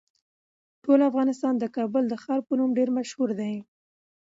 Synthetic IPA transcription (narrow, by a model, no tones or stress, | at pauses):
ʈolafɣɑnɪst̪ɑnd̪əkɑbʊld̪əxɑɾpənumɖeɾmaʃhuɾd̪aj